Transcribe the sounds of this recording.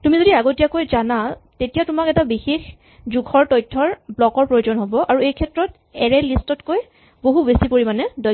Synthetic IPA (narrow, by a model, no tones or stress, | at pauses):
tumizodiaɡotijakojzanatetijatʊmakɛtabixex | zuɡʰʱɔɹtɔjtʰːɔɹblɔkɔɹpɹojozɔnɦobɔʔaɹuejkʰɛtɹɔt | ɛɹɛlistɔtkoj | boɦubesipoɹimanɛdɔ